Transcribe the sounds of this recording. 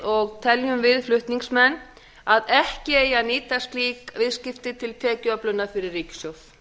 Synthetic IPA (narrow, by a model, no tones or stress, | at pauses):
ɔɣt̪ʰɛljʏmvɪðflʏht̪niŋsmɛnː | aðɛhcɪejaniːt̪ast̪liːkvɪðscɪft̪ɪt̪ʰɪlt̪ʰɛːcœplʏnafɪɾɪrːiːcsjowf